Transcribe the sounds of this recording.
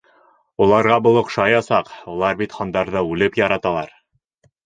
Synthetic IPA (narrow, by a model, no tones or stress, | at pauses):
ulˠɑɾʁɑbɤ̆lˠŏqʃɑjɑsɑqulˠɑɾbit̪χɑnd̪ɑɾðɤʉlɘpjɑɾɑt̪ɑlˠɑɾ